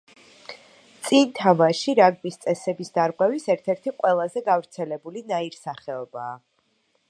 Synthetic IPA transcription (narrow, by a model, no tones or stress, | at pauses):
t̪sʼint̪ʰamaʃiɾaɡ̚mist̪sʼɛsɛbisd̪aɾʁwɛvisɛɾt̪ʰɛɾt̪ʰiqʼwɛlˠazɛɡavɾt̪sʰɛlɛbulinaiɾsaχɛɔbaː